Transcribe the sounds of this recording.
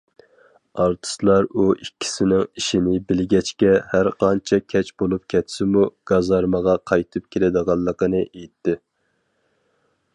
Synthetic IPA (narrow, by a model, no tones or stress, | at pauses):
ɑɾt̪ʰɨ̥slˠɑɾuikʲʰːi̥sɪnɪŋiʃɪnɪbɪlɡʲɛt͡ʃkʲɛhæɾqʰɑnt͡ʃʰɛkʲʰɛt͡ʃb̥olˠup̚kʲʰɛt̪sɪmuɡ̥ɑzɑɾməʁɑqʰɑjt̪ʰɨp̚kʲʰelɪd̪əʁɑlˠːəqənɨʔejt̪ʰːɪ